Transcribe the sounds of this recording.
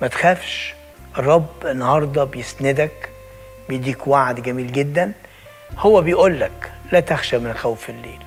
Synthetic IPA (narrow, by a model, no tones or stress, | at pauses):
mæt̪xæːfʃ | ʔerˤːɑbːenːɑhɑɾˤd̪ˤɑbejesnɪd̪æk | bejd̪iːkwaʕd̪ɡæmiːlɡed̪ːæn | howːæbejʔuːlːæklæt̪æxʃæmɪnxæwfelːeːl